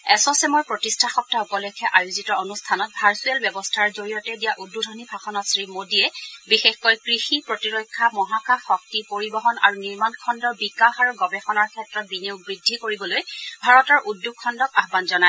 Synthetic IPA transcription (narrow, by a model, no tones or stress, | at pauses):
ɛsɔsɛmɔɹpɹotistʰaxɔp̚taɔkɔlekʰɛʔajuzitɔonustʰanɔt̚bʱaɹsuɛlbjɛbɔstʰaɹzoɹijɔtɛdijaʔudːudʱɔnibʱaxɔnɔtsɹimodiɛbixexkɔjkɹixipɹotiɹɔkʰːamɔɦakaxɔk̚tipoɹibɔɦɔna̰ɹuniɹmankʰɔndɔbikaxaɹuɡɔbɛxɔnaɹkʰɛtɹɔt̚bineʊɡ̚bɹidʱːikoɹibɔlojbʱaɹɔtɔɹʔudːukʰːɔndɔkaɦbanzɔna